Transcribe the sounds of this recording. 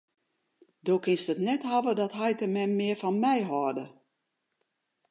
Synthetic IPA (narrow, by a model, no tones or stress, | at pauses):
doːkɪnstətnɛthaʋədɔtɦɛjtəmɛnmɪːərfɔnmɛjɦɔrdə